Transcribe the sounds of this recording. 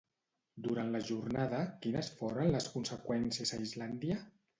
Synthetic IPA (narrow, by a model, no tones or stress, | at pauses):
d̪uɾanləʒurnaðəkinəsfoɾənləskunsəkwɛnsiəzaizland̪jə